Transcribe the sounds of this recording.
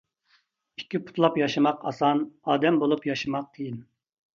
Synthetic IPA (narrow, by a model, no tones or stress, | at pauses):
i̥kʲʰːipʰu̥t̪ʰlˠɑpjɑʃɨmɑqʰɑ̰sɑnɑːd̪ɛmbolˠupjɑʃɨmɑq̚t̪ʰejin